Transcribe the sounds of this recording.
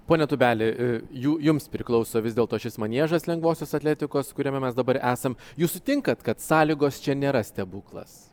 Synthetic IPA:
poːnʲɛt̪ʊbʲæːlʲɪjuːjʊmspʲɾʲɪklˠɐʊsoːʋʲɪzd̪ʲeːlˠt̪oːʃʲɪsmɐnʲiɛʒɐslʲɛŋɡʋoːsʲoːsɐt̪ʲlʲæːt̪ʲɪkoːskʊɾʲiɛmʲɛmʲɛsd̪ɐbɐɾæːsɐmjuːssʊt̪ʲɪŋkɐt̪kɐt̪sɑːlʲɪɡoːst͡ʃʲɛnʲeːɾɐsʲt̪ʲɛbuːklˠɐ̰s

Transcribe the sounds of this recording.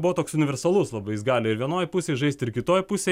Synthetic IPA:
bʊʋɐt̪oːksʊnʲɪʋʲɛɾsɐlˠʊslˠɐbɐɪjɪsɡɑːlʲɪɪɾʋʲiɛnoːjpʊsʲeɪʒɐɪst̪ʲɪɾkʲɪt̪oːjpʊsʲe

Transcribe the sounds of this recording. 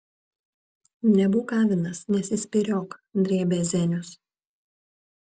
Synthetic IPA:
nʲɛbuːkɑːʋʲɪnɐsnʲɛsʲɪsʲpʲɪɾʲoːkd̪ʲɾʲeːbʲeːzʲɛnʲʊs

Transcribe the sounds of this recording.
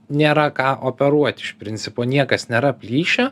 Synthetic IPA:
nʲeːɾɐkɑːʔoːpʲɛɾuɔt̪ʲɪʃpʲɾʲɪnʲt͡s̪ʲɪpoːnʲiɛkɐsnʲeːɾɐpʲlʲiːʃʲo

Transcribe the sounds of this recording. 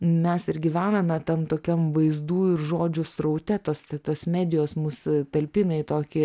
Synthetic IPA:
mʲɛsɪɾɡʲiːʋʲæːnɐmʲɛt̪ɐmt̪oːkʲɛmʋɐɪzd̪uːɪrʒoːd͡ʒʲʊsrɐʊt̪ʲɛt̪oːstt̪oːsmʲæːd̪ʲɪjoːsmuːst̪ɐlʲpʲiːnɐɪt̪oːkʲɪ

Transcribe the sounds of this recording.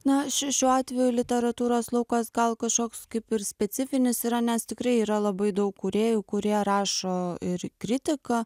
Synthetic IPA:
nɐʃʲɪʃʲuːɑːt̪ʲʋʲɛjʊlʲɪt̪ʲɛɾɐt̪uːɾoːslˠɐʊkɐsɡɐlˠkɐʃkoːkskɐɪpɪɾsʲpʲɛsʲɪfʲɪnʲɪsiːɾɐnʲɛst̪ʲɪkɾɐɪiːɾɐlˠɐbɐɪd̪ɐʊkkʊɾʲeːjukʊɾʲiɛɾɑːʃoːɪɾkɾʲɪt̪ʲɪkɐ

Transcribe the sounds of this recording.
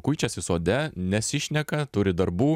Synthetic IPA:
kʊɪt͡ʃʲɛsʲɪsoːd̪ʲɛnʲɛsʲɪʃʲnʲɛkɐt̪ʊɾʲɪd̪ɐɾbuː

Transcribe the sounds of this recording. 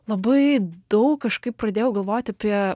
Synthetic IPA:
lˠɐbɐɪd̪̥ɐʊkːɐʃkɐɪp̚pɾɐd̪ʲeːjɛʊɡɐlˠʋoːt̪ʲɐpʲiɛ

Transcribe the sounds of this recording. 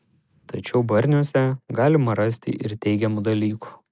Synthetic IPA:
t̪ɐt͡ʃʲɛʊbɐɾʲnʲuɔsʲɛɡɑːlʲɪmɐɾɐsʲt̪ʲɪ̰ʔɪɾt̪ʲɛɪɡʲɛmud̪ɐlʲiːku̥

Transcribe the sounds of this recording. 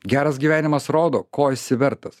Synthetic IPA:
ɡʲæːɾɐsɡʲiːʋʲæːnʲɪmɐsɾoːd̪oːkoːɪsʲɪʋʲɛɾt̪ɐs

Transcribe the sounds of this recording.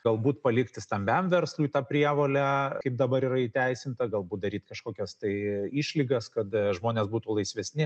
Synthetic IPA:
ɡɐlˠbuːt̪pɐlʲɪkt̪ʲɪst̪ɐmʲbʲɛmʋʲɛrslˠuːt̪ɑːpʲɾʲiɛʋoːlʲɛkɐɪp̚d̪ɐbɐɾiːɾɐit̪ʲɛɪsʲɪmt̪ɐɡɐlˠbuːt̪̚d̪ɐɾʲiːt̪kɐʃkoːkʲɛst̪ɐɪiːʃʲlʲiɡɐskɐt̪ʒmoːnʲeːsbuːt̪uːlˠɐɪsʲʋʲɛsʲnʲɪ

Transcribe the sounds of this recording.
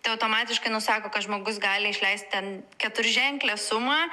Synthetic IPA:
t̪ɐɪɐʊt̪oːmɑːt̪ʲɪʃkɐɪnʊsɑːkoːkɐt̪ʒmoːɡʊs̬ɡɑːlʲɪɪʃʲlʲɛɪst̪̚ʲt̪ʲɛnkʲɛt̪ʊɾʲɪʒʲɛŋklʲeːsʊmɑː

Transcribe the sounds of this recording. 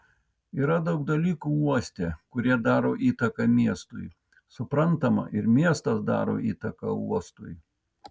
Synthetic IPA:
iːɾɐd̪ɐʊɡ̚d̪ɐlʲiːkuːuɔsʲt̪ʲeːkʊɾʲiɛd̪ɑːɾoːʔiːt̪ɐkɐmʲiɛst̪ʊ̰j | sʊpɾɐnt̪ɐmɐ̰ʔɪɾmʲiɛst̪ɐsd̪ɑ̰ːɾo̰ːʔiːt̪ɐkɐ̰uɔst̪ʊj

